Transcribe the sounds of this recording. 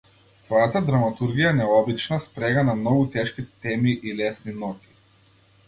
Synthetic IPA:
t̪vɔjat̪ad̪ɾamat̪uɾɡijanɛɔbit͡ʃnaspɾɛɡanamnɔɡut̪ɛʃkit̪ɛmiʔilɛsninɔt̪i̥

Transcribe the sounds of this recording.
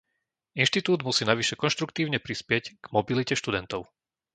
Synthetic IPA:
inʃt̪it̪uːd̪musiːnaʋiʃɛkɔnʃt̪ɾukt̪iːʊɲɛpɾispɪɛcɡ̥mɔbilicɛʃt̪ud̪ɛnt̪ɔʊ

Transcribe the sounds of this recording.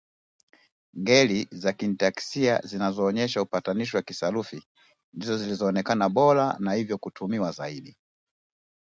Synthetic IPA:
ŋɡɛlizakintaki̥sia̰zinazɔːɲɛʃaupataniʃ̬iwakisalufi | ndizɔzilizɔːnɛkanaɓɔɾa̰nahivjɔkutʰumiwazaiɗi

